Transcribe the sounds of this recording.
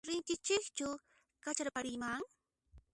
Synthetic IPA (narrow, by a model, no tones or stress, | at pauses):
ɾɪnt̪ɪt͡ʃɪkt͡ʃʊ | kat͡ʃaɾpaɾɪmaŋ